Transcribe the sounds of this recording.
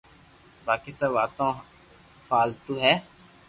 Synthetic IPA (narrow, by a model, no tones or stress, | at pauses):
baːkisaʋaːt̪õː | faːlt̪uɦɛː